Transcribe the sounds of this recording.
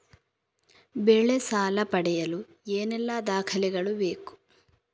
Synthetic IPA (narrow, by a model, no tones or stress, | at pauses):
beɭːesaːlɐpɐɽɛjɐlu | eːnɛlːɐd̪aːkʰɐlɛɡɐɭube̞ːku̥